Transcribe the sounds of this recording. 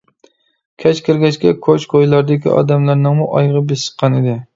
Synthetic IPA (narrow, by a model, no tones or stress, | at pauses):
kʲʰɛt͡ʃkʲʰɪɾɡʲɛt͡ʃkʲɛkʰot͡ʃqʰojlˠɑɾd̪ɪkʲḭʔɑ̰ːd̪ɛmlæɾnɨŋmuʔɑjʁəbesə̥qʰːɑnɪd̪ɪ